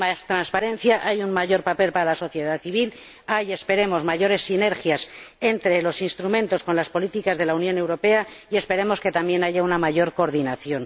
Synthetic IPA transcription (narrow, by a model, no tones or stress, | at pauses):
mast̪ɾanspaɾe̞nθjaʔajunmaʝo̞ɾpape̞lpaɾalaso̞θje̞ðaðθiβ̞il | aje̞spe̞ɾe̞mo̞zmaʝo̞ɾe̞sːine̞ɾxjase̞nt̪ɾe̞lo̞sinst̪ɾumẽ̞nt̪o̞sko̞nlaspo̞lit̪ikazðe̞launjõ̞newɾo̞pe̞aie̞spe̞ɾe̞mo̞ske̞t̪ambje̞naʝaunamaʝo̞ɾko̞ɾðinaθjo̞n